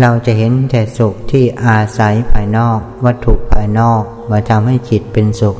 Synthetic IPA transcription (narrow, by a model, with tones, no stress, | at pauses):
ɾa˧wt͡ɕa˨˩ɦe˩˦nt̪ʰɛː˨˩su˨˩k̚t̪ʰiː˥˩ʔaː˧sa˩˦jpʰaː˧jnɔː˥˩k̚wa˦˥t̪ʰːu˨˩k̚pʰaː˧jnɔː˥˩k̚maː˧˩t̪ʰa˧mha˥˩jt͡ɕʰi˨˩t̪̚pe˧nsu˨˩k̚